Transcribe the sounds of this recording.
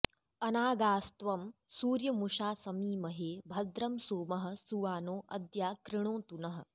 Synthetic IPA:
ɐnaːɡaːst̪ʋɐmsuːɾjɐmuʂaːsɐmiːmɐɦeːbʱɐd̪ɾɐmsoːmɐɦɐ̆suʋaːnoːʔɐd̪jaːkɾɪɳ̃õːt̪unɐɦɐ̆

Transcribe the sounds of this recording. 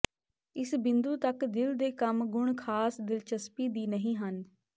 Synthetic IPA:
ɪsbɪnd̪uːt̪əkd̪ɪld̪eːkəmɡʊɳkʰaːsd̪ɪlt͡ʃəspiːd̪iːnəɦĩːɦən

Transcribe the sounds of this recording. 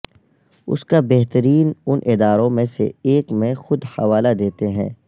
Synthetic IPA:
ʊ̰skabɛɦt̪əɾiːnʊnʔɪd̪aːɾõmẽsḛeːkmẽxʊd̪hɐʋaːlad̪eːt̪eɦɛ̰̃ː

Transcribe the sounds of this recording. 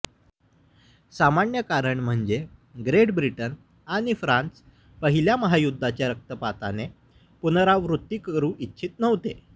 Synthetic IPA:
samaɳjəkaɾəɳm̤əɳd͡ʑeɡɾeʈbɾiʈən | aɽ̃ifɾãnt͡s | pəɦiljaməɦajud̪ʱːat͡ɕjaɾək̚t̪əpat̪a̰ne | punɾaʋɾut̪ːiːkəɾũːʔitːɕʰiːt̪nəʋt̪e

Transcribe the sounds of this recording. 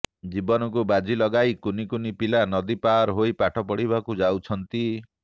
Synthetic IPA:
d͡ʒibɔnɔkubad͡ʒilɔɡajkunikunipilanɔd̪ipaɾɦojpaʈʰɔpɔɽibakud͡ʒawt͡ʃʰɔnt̪i

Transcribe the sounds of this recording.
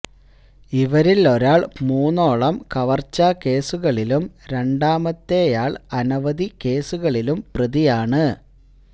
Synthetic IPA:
iʋɐɾilo̞ɾaːɭmuːnːo̞ːɭɐmkɐʋɐrt͡ɕːɐke̞ːsuɣɐɭilumɾe̞ɳɖaːmɐt̪ːe̞jaːɭɐnɐʋɐðike̞ːsuɣɐɭilumprɐðijaːɳɨ

